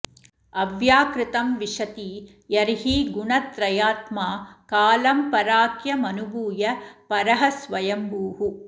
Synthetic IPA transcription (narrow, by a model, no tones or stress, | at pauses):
ɐʋjaːkɾɪt̪ɐmʋiʂɐt̪i | jɐɾɦiɡuɳɐt̪ɾɐjaːt̪maːkaːlɐmpɐɾaːkjɐmɐnubuːjɐpɐɾɐɦɐsʋɐjɐmbuːɦu